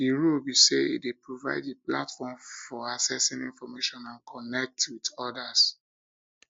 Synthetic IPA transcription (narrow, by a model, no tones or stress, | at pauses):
iɹobiseḭtwepɹova̰ɪdipla̰tfɔmfɔasɛsĩnĩnfɔmeʃɔ̃nãnkʰɔnɛk̚twidɔdas